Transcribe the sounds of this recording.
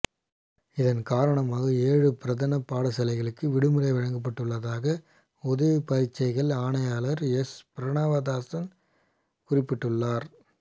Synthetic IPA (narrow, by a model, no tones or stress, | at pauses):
ɪðɐnkaːɾɐɳɐmaːɣɐeːɻɯpɪɾɐðɐnɐpaːɽɐsɐlɐɪɣɐɭɯkːɯʋɪɽɯmɯɾɐɪʋɐɻɐŋɡɐp̬ːɐʈːɯɭːɐðaːɣɐ | ɔðɐʋɯpɐɾɪt͡ʃːɐɪɣɐɭaːɳɐjaːlɐɾɛspɪɾɐɳaːʋɐðaːsɐn | kʊrɪpːɪʈːɯɭːaːɾ